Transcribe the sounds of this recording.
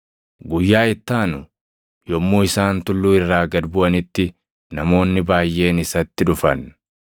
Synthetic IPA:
ɡʊjːaːɪt̪ːaːnʊ | jɔmːoːɪsaːnt̪ʊlːuːɪrːaːɡɐd̪bʊɐnɪt̪ːɪ | nɐmo̞ːnːɪbaːjːe̞ːnɪsɐt̪ːɪᶑʊfɐ̰n

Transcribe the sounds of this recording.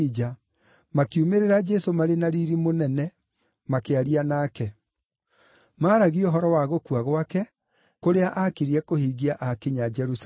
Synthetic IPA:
d͡ʒa | makiumeɾeɾad͡ʒɛsomaɾenaɾiɾimonɛnɛ | makeaɾianaːkɛ | maːɾaɣioɦɔɾɔwaɣokuwaɣwakɛ | koɾeaʔakiɾiɛkohiːɣiaʔakeɲad͡ʒɛɾus

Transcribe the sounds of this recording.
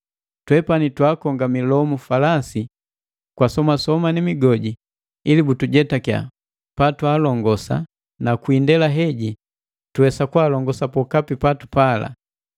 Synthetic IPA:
twɛpanitwakɔŋɡamilɔmufalasi | kwasɔmasɔmanimiɡɔɟi | ilibutuɟɛtakja̰ | patwaːlɔŋɡɔsa̰ | nakuindɛlaɦɛɟi | tuɛsakwaːlɔŋɡɔsapɔkapipatupala̰

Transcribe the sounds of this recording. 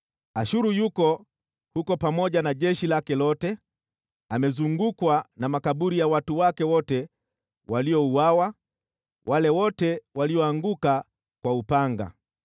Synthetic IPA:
aʃuɾujukɔ | hukɔpamɔʄanaʄɛʃilakɛlɔtɛ | amɛzuŋɡukwanamakaɓuɾijawatuwakɛwɔtɛ | waliɔuwawa | wʔalɛwɔtɛwaliɔaŋɡuka | kwaupaŋɡa̰

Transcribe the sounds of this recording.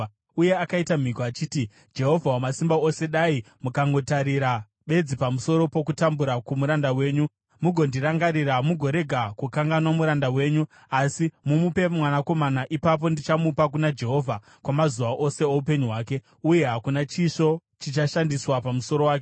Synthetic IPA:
uje̞akaitam̤ikoat͡ʃiːti | d͡ʒe̞ɦo̞vʱawomasimbaose̞ɗai | mukaŋɡo̞taɾiɾa | ɓe̞d͡zipamuso̞ɾo̞po̞kutambuɾakumuɾandawe̞ːɲu | muɡʱo̞ndiɾaŋɡaɾiɾamuɡʱo̞ɾe̞ɡʱakukaŋɡanwamuɾandawe̞ːɲu | asimumupe̞mwanako̞manaʔipap̬o̞ndit͡ʃamupak̬unad͡ʒe̞ɦo̞vʱa | kwamazuʋaʔo̞se̞oup̬e̞ɲuɦwaːke̞ | uje̞ɦakunat͡ʃiʃo̞t͡ʃit͡ʃaʃandiswapamuso̞ɾo̞waːke

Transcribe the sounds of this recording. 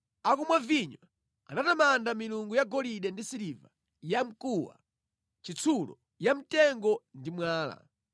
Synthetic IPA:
akumwaviɲwa | a̰natamandamiluŋɡujaɡɔliɗɛndisiɾiva | jam̩kʼuwa̰ | t͡ʃit͡sʰulɔ̰ | jamitɛŋɡɔndimwaːla̰

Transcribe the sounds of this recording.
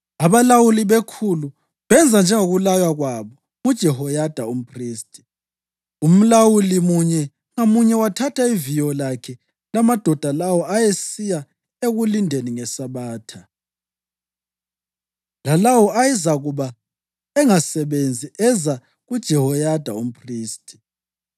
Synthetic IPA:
aβalawuliβekʰulu | βɛnd͡zʱand͡ʒʱɛŋoɣulajwaɣwaβɔ | mud̥ʒ̥ʱɛɦɔjad̥ʱaum̩pʰriːstʼi | um̩lawulimuɲɛ | ŋamuɲɛwatʰatʰaivijɔlakʰɛ | lamad̥ʱɔd̥ʱalawɔajesija | eɣulindʱeniŋɛsaβaːtʰa | lalawɔajɛzaɣuβa | ɛŋasɛβend͡zʱiʔɛza | ɣud̥ʒ̥ʱɛhɔjad̥ʱa̰um̩pʰriːstʼʰi̥

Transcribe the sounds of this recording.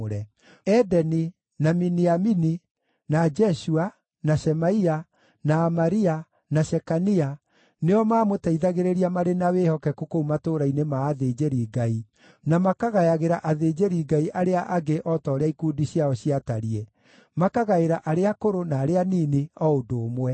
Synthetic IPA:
oɾɛ | ɛdɛni | naminiamini | nad͡ʒɛʃua | naʃɛmaia | naːmaɾia | naʃɛkania | neɔmaːmotaiðaɣeɾeɾiamaɾenawehɔkɛkokoumatoːɾainemaːðed͡ʒeɾiɡai | namakaɣajaɣeɾaʔaðeːd͡ʒeɾiɡaiʔaɾeaʔaɡeʔɔtɔːɾeaikuːdiɕiaɔɕiataɾiɛ | makaɣaeɾaʔaɾeakoɾonaːɾeaniːniɔodoːmwɛ

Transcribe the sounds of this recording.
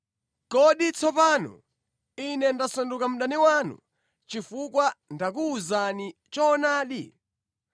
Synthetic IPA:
kɔɗit͡sɔpaːnɔ̰ | inɛndasandukam̩ɗaniwanṵ | t͡ʃifukwandak̬uːzani | t͡ʃɔːnaːɗi

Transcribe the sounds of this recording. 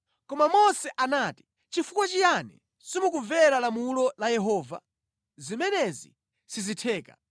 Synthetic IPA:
kɔmamɔsɛʔanaːti̥ | t͡ʃifukwat͡ʃijanɛ̰ | simukuɱvɛɾalamulɔlajɛɦɔːva̰ | zimɛnɛzḭ | sizitʰɛːka̰

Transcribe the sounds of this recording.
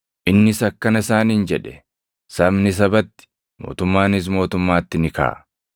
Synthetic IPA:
ʔɪnːɪsɐkːɐnɐɪsaːniːnd͡ʒɛᶑɛ̥ | sɐbnɪs̬ɐbɐt̪ːɪ̥ | mo̞̰ːt̪ʊmːaːnɪs̬mo̞ːt̪ʊmːaːt̪ːɪnɪka̰ːʔ

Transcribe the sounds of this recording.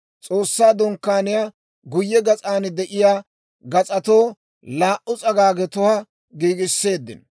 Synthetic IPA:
t͡sʼo̞ːsːaːd̪ɔŋkːaːnɪja | ɡʊjːɛɡɐt͡sʼaːnd̪ɛʔɪjaː | ɡɐt͡sʼɐt̪o̞ː | laːʔʊt͡sʼɐɡaːɡɛt̪ɔhɐ | ɡiːɡɪsːe̞ːd̪ːɪ̰n

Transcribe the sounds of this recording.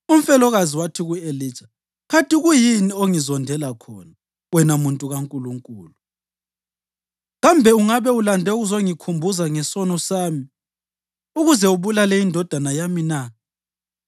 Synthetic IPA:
um̩fɛlɔɣaziwatʰiɣueli̥ːt͡ʃḁ | kʰatʼiɣujinioŋizɔndʱɛlakʰɔna | wɛnamuntʼuɣaŋkʼuluŋkʼuːlu | ɣambʱɛuŋaβɛulandʱɛuɣuzoŋikʰumbʱuzaŋɛsɔnɔsaːmi | uɣuzɛuβulalɛjindʱɔd̥ʱanajamina

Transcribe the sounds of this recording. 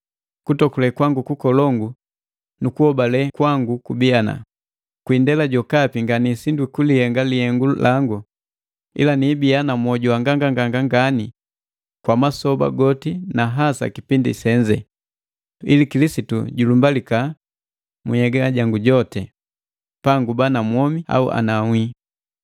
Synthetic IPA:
kutɔkulɛkwaŋɡukukɔlɔŋɡu | nukuhɔbalɛkwaŋɡukubiana̰ | kwindɛlaɟɔkapiŋɡanisindwikulihɛŋɡalihɛŋɡulʔaŋɡu | ḭlaniːbianamwɔɟuaŋɡaŋɡaŋɡaŋɡaŋɡani | kwamasɔba̰ɡɔtinaɦasa̰kipindḭsɛɲd͡ʒɛ̰ | ilikilisitṵɟulumbalika | muhɛɡaɟaŋɡuɟɔtɛ | paŋɡubanamwɔmia̰ṵʔa̰namwi

